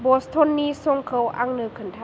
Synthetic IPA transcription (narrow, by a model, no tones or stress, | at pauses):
bost̪ʰonːiːsoŋkʰəwʔa̰ŋnɯkʰɯnt̪ʰa